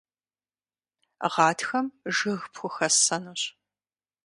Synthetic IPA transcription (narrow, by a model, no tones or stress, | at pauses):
ʁɑːtʰxɐmʒɨɣpxʷʊxɐsɐnuɕ